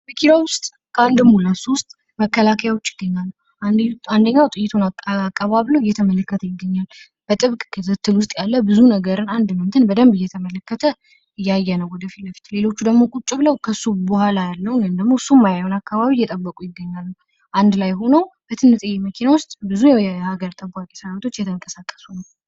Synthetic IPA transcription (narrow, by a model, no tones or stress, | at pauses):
bɨkʰiɾawʊst̪ʼ | kʰəand̪ɨmːulasuwʊst̪ʼ | məkːəlakʰəjawot͡ʃːjɪ̥ɡːəɲːalːəw | and̪əɲːawt̪ʼɨjːɪt̪ʰunakʼːaβaβləwɪjːɛt̪ʰəmələkːət̪ʰəjɪɡːəɲːal | b̥ət̪ʼɨβkʼkʰɨt̪ʰɨt̪ʰːɨlwʊst̪ʼjalːəbɨzunəɡəɾɨnand̪mənt̪ʰɨnbəd̪əmbɨjːɛt̪ʰəmələkːət̪ʰə | ɨjːajːɛnəwɔd̪əfit̪ləfi̥t̪le̞lo̞t͡ʃːud̪əɡmo̞kʼut͡ʃʼːɪβləwkʰəsːubohʷalajalːəwjmd̪əɡmo̞sumːajaonakːaβaβijːɛt̪ʼəbːəkʼujɪɡːəɲːalːəw | ʔand̪lajɦo̞nəwb̥ət̪ʰɨnːɨt̪ʼɨjːeməkʰinawʊst̪ʼbɨzujɛhaɡəɾt̪ʼəbʷakʼesəɾawt̪ʰo̞t͡ʃːjɛt̪ʰəŋkʼəsakʼːə̥sunəw